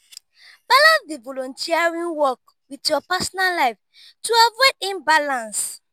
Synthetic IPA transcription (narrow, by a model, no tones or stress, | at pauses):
b̥alãnsdivɔlɔ̃ntiaɹĩnwɔk̚ | widjɔpasɔnalaɪf | tuaveĩmbalãns